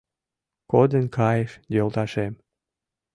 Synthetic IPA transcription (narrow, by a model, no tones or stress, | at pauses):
kod̪ənkʰɑjeʃjolt̪ɑʃem